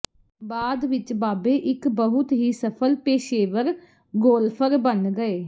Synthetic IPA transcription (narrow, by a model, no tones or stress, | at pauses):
baːd̪ʋɪt͡ʃbaːbeːʔɪkbəɦʊt̪ɦiːsəpʰəlpeːʃeːʋəɾ | ɡoːlpʰəɾbənɡəeː